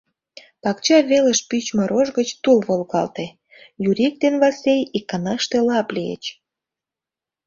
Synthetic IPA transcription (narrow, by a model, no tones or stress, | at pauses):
pɑkt͡ɕɑβeləʃpyt͡ɕməɾʔoʒɣət͡ɕt̪ulβolɣɑ̰lt̪e | juɾʲik̚d̪enβɑsʲejikːɑnɑʃt̪elɑpliḛt͡ɕ